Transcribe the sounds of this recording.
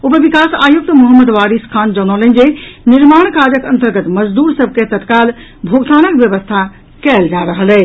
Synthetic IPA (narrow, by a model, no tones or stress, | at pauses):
opebikasa̰juk̚t̪moɦəmːəd̪ʋaɾiskʰand͡ʒəñələnd͡ʒeniɾmaɳ̃kad͡ʒəkənt̪əɾɡət̪məd͡ʒd̪uɾsəb̚ʱket̪ət̪kalbʱoɡt̪anəkbjəβəst̪ʰa | kɛld͡ʒaɾəɦəlɛ